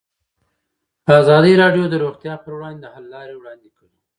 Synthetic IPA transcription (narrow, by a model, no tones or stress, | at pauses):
əazɑd̪əjɾɑɖjod̪əɾoɣt̪jɑpəɾwɽɑnd̪ed̪əhallɑɾewɽɑnd̪ekəli